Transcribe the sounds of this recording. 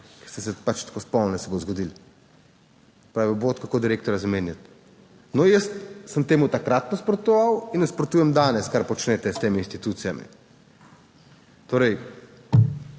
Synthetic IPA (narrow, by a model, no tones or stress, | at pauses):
kɛ̥st̪ɛsɛpat͡ʃt̪ḁkospɔwnnɛsɛbozɡɔd̪il | pɾaːiboːt̪kakoːd̪iɾeːk̚t̪ɔɾjazameːnjat̪̚ | nɔjəst̪səmt̪eːmut̪akɾat̪nɔspɾɔt̪ɔʋawinɛspɾɔt̪uːjɛmd̪aːnɛskaɾpɔt͡ʃnɛt̪ɛst̪eːmiiːnst̪it̪uːt̪sijamḭ | t̪oːɾɛj